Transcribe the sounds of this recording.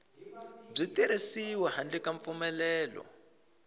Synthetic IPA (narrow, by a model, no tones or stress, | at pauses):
b͡ʐitiɾisiwɛɦand͡ɮikaɱp̪fumɛlɛːlɔ̰